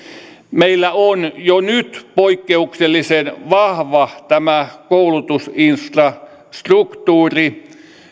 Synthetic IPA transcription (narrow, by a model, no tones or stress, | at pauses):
meilːæonjonyt̪poikːeukselːisenʋɑhʋɑt̪æmækoulut̪usinsfrɑ | st̪rukt̪uːri